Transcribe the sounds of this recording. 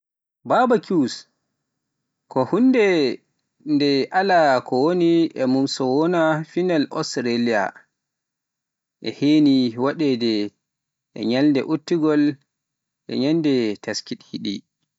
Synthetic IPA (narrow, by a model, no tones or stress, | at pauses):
babakus | kɔhunːdɛ | ndɛʔalakʰɔwoniʔɛmumsɔwɔnafinalʔɔ̰sɾalia̰ | ʔɛ̰heːniwaɗɛdɛ | ʔɛ̰ɲaldɛ̰ʔutːiɡɔl | ʔɛ̰ɲandɛtʰaskiɗhiɗḭ